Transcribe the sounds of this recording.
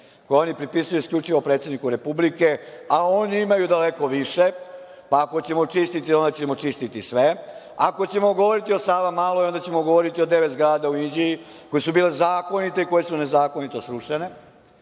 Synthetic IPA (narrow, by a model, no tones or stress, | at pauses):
kojeo̞nipɾipisujuiskʎʲut͡ʂiʋo̞pɾet̪sjed̪nikuɾe̞publike̞ao̞niimajud̪ale̞ko̞ʋiʃe̞ | paːko̞t͡ɕe̞mot͡ʂist̪it̪io̞nd̪at͡ɕemot͡ʂist̪it̪isʋe̞ | ako̞t͡ɕe̞moɡo̞ʋoɾit̪io̞saːʋamaːlˠoio̞nd̪at͡ɕe̞moɡoʋoɾit̪io̞d̪e̞ʋet̪zɡɾaːd̪auind͡ʑiji | ko̞jesubiːle̞zaːko̞nit̪e̞iko̞je̞sune̞zaːko̞nit̪o̞sɾuʂene̞